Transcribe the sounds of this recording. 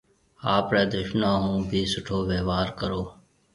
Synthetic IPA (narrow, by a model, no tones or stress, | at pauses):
aːpɾɛːd̪ʊʃnãːɦũːbʱiːsʊʈʰoːʋeːʋaːɾkəɾoː